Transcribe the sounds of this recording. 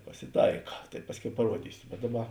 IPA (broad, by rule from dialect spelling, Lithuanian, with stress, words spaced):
pɐsʲɪˈtɐɪkɐ tɐɪ ˈpɑːsʲˌkʲɛʊ pɐˈruɔdʲiːsʲʊ bʲɛt ˈdɑːˌbɐ